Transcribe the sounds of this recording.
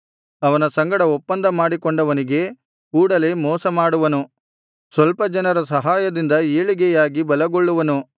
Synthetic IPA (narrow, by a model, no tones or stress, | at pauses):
ɐʋɐnɐsɐŋɡɐɽɐɔpːɐnd̪ɐmaːɽikoɳɖɐʋɐniɡe̞ | kuːɽɐle̞ːmɔːsɐmaːɽuʋɐnu | sʋɐlpɐd͡ʒɐnɐɾɐs̬ɐɦaːjɐd̪ind̪ɐeːɭiɡɛjaːɡibɐlɐɡoɭːuʋɐnu